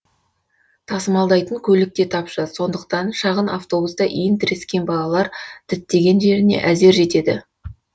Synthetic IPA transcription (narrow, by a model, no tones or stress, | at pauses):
t̪ʰɑsəmɑlˠd̪ɑjt̪əŋkʲʰɵlɪk̚t̪e̞t̪ʰɑpʃɑso̞nd̪əq̚t̪ɑnʃɑʁəna̰ft̪o̞bust̪ɑʔijɪnt̪ʰɪɾeskʲe̞nbɑlˠɑlˠɑɾt̪ʰɪt̪ːe̞ɡʲe̞nʒe̞ɾɪne̞̰ʔæze̞ɾʒe̞t̪e̞d̪ɪ